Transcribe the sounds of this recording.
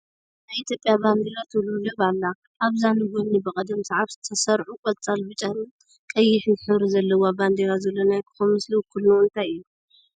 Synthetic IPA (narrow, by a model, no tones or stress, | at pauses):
naβit̪ʰjo̞pʼjaband̪elat̪ʰululɨβalːa | ʔaβzanɨɡonːibɨkʼɐd̪ɐmsɐʕaβzɨt̪ʰɐsɐɾʕukʼɔlt͡sʼalbɨt͡ʃʼan | kʼɐjːɪħnɨħɨβɾzɐlːɐwaband̪eɾazɐlːonajkʰɨ̥xomɨsliwkʰulːuɨnt̪ʰajɨju